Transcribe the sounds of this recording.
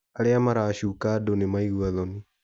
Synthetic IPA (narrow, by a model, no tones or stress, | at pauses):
aɾeamaɾaːɕukadonemaiɣwaðɔni